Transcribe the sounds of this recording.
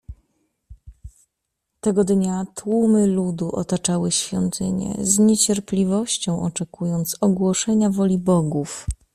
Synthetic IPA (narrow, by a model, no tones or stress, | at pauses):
t̪ɛɡɔd̪ɲat̪wumɘlud̪uʔɔt̪at͡ʂawɘɕfʲjɔ̰nt̪ʰɘɲɛ̰zɲet͡ɕɛɾplʲivɔɕt͡ɕɔ̃w̃ʔɔt͡ʂɛkujɔnt̪sɔɡwɔʂɛɲavɔlʲibɔɡuf